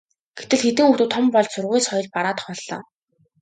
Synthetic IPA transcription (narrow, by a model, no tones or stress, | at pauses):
ɡ̥et̪ɘ̆ɮxet̪ɘ̆ŋut̪uːt̪ʰːɔmpɔɮt͡ɕsʊrʁʊjsɔjɞ̆ɮpaɾaːt̪χɔːɮːɔ̰ː